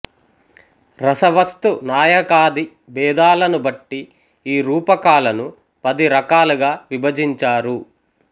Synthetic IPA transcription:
ɾɐsɐʋɐst̪unaːjɐkaːd̪i | bɛːd̪aːlɐnubɐʈːi | iːɾuːpɐkaːlɐnu | pɐd̪iɾɐkaːluɡaːʋibɐd͡ʒiɲt͡ʃaːɾu

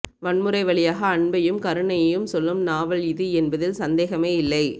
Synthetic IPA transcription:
ʋɐɳmɯɾɐɪʋɐɭɪjaːɣɐːɳbɐjɯmkɐɾɯɳɐjɐjɯmsɔlːɯmnaːʋɐɭɪðɯɛnbɐðɪlsɐnd̪eːɣɐmeːɪlːɐɪ

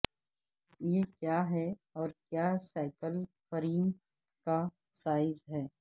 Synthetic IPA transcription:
jekjaːɦɛɔːɾkjaːsaːɪkəlfəɾiːn | ka | saːɪzɦɛː

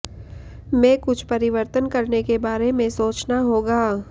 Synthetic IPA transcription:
mɛ̃ːkʊt͡ʃʰpɐɾɪʋəɾt̪ənkɐɾnekebaːɾemẽsoːt͡ʃnaɦoːɡaː

